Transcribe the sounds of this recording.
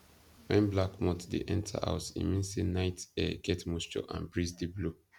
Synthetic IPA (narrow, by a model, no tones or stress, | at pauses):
wɛ̃nblakmɔtdḛʔɛ̃ntʰa̰ʔa̰ʊtḭ̃mĩnsenaɪtɛɡ̥ɛtmost͡ʃɔ̰ʔã̰nbɹizdiblu